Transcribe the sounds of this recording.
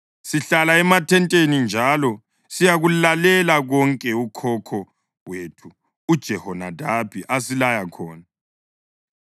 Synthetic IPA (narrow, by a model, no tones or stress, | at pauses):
siɬalaɛmatʰɛntʼenind͡ʒʱalɔ | sijaɣulalɛlaɣɔŋkʼɛukʰɔkʰɔ | wetʰuː | d̥ʒ̥ʱɛhɔnadʱab̥ʱiʔasilajakʰɔːna